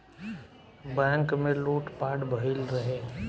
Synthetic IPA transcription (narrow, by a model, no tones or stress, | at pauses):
bɛ̃ːŋkmẽluːʈpaːɽbʱəɦɪlɾɐɦeː